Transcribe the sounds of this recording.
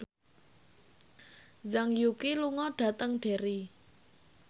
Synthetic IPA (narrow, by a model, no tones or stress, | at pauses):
zaŋjukiluŋɔɖ̥ä̤t̪əŋɖ̥e̤ɾi